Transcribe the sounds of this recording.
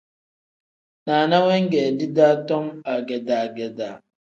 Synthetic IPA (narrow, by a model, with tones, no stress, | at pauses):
na˨na˦we˦ŋ̩˦ɡe˨dɪ˦da˦tɔ˦ma˨ɡe˨da˨ɡe˨da˨